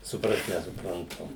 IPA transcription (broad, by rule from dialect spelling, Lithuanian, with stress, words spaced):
sʊˈprɐst nʲɛsʊprɐnˈtʊ